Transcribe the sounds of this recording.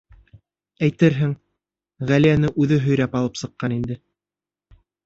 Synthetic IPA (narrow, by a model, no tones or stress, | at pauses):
æjt̪ɘɾɦɘŋ | ʁælijænɘʔʉðɘɦɵ̆jɾæpɑlˠɤpsɤ̆qːɑnind̪ɘ